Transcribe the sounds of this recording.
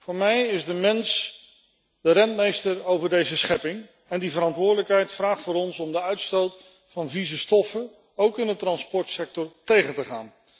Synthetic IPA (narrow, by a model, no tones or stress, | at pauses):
vʊːɹmɛjɪzdəmɛns | d̥əɾɛnt̚mejstəɹowvəɹdejzəsχɛpɪŋ | ɛndivəɾɑntʋʊːɹdələkɦɛjtfraːχtfʊːɾɔnsɔmdəœɥtstowt | fɑnvizəstɔfə | owkɪndətrɑnspɔɹtsɛk̚tɔɹtejχəntəχa̰ːn